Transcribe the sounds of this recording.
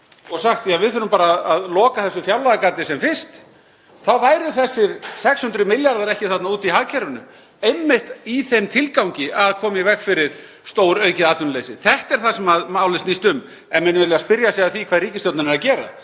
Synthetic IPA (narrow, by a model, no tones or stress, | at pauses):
ɔɣsaxt̪fiavɪðθʏɾʏmpaːɾaːðaðlɔːkaθɛsːʏfjawlaðakaːt̪ɪsɛmfɪ̥st̪ | θawvaːjɾʏθɛsːɪɾsɛkshʏnt̪ɾʏmɪljaɾðaɾɛhcɪθat̪nauːt̪iɦaɣcʰɛɾʏnʏ̰ | ejmːɪht̪iθejmt̪ʰɪlkawɲcɪʔaðkʰɔːmɪvɛkfɪɾɪɾ̥ | st̪oːwɾœːɥcɪðaːt̪vɪnlejsɪ̰θɛht̪ɛɾ̥θasɛmaðmawlɪsnist̪ʏm | ɛnmɛnvɛɾlɛɣaspɪɾjasaðaθikʰvaːðɾiːcɪst̪jowt̪nanɛɾacɛːɾa̰